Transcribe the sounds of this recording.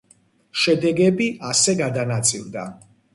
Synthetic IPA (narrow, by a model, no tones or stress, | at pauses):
ʃɛd̪ɛɡɛbiasɛɡad̪anat̪sʼḭld̪a̰